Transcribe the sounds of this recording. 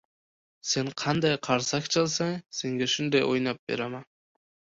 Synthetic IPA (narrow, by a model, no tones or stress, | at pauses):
se̞ɴqʰɑnd̪ɑjqʰɑɾsɑkt͡ʃʰɑlˠsɑŋse̞ŋɡʲeʃʊnd̪ɑjo̰jnɑp̚be̞̰ɾama